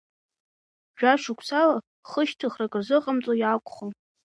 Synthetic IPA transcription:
ʒᶣaʂukʷʰsala | χəʃtʰɨχrakʼazɨqʼamt͡sʼojakʷʼχom

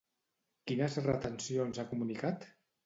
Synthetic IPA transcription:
kinəzrət̪ənsionzakumunikat̪

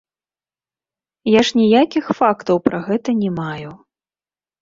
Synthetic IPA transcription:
jaʂnʲijakʲixfakt̪ɐwpɾʔɐɣɛt̪ɐnʲɛmaju

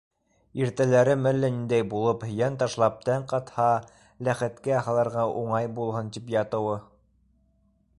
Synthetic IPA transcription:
iɾt̪ælæɾɘmælːænind̪æjbulˠɤpjænt̪ɑʃlˠɑp̚t̪æɴqɑt̪hɑ | læχɘ̆t̪kæhɑlˠɤ̆ɾʁɑʔuɴɑjbulˠɦɤnt̪ipjɑt̪ɤ̆wɤ

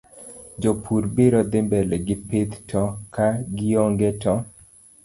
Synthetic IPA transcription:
d͡ʒopʰuɾbiɾɔd̪ɪmbɛlɛɡɪpɪt̪tʰɔkaɡɪɔŋɡɛtɔ

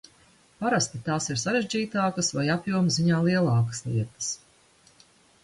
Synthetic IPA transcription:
paɾast̪it̪aːsiɾsaɾeʒd͡ʒiːt̪aːkəsvajapjuɔmziɲaːlˠiɛlˠɑːkə̥slˠḭɛt̪ə̥s

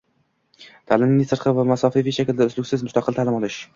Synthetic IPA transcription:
t̪ʰalɪmnɪsɨɾt̪qʰɨvamasɒfifiʃakʲɪld̪aʊzlʊkʲsɪzmʊst̪ɑqʰɨlˠt̪ʰaːlɪmɒlˠɪʃ

